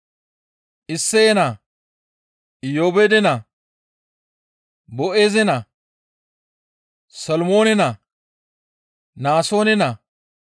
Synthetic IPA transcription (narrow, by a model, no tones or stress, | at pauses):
ʔɪsːɛɛnɐ | joːbed̪ɛnɐ | bɔʔeːzɛnɐ | sɐlmo̞ːnɛnɐ | naːso̞ːnɛnɐ